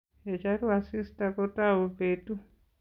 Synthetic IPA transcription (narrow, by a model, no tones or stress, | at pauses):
et͡ʃaɾuasistakotawopetu